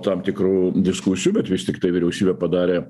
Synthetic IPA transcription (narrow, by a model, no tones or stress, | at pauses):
t̪ɐmt̪ʲɪkɾuːd̪ʲɪskusʲɪjubʲɛt̪ʋʲɪst̪ʲɪkt̪ɐɪʋʲɪɾʲɛʊsʲiːbʲɛːpɐd̪ɑːɾʲeː